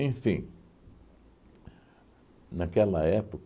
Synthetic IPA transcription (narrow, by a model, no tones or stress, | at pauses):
ẽj̃fĩ | nakɛlɐɛpok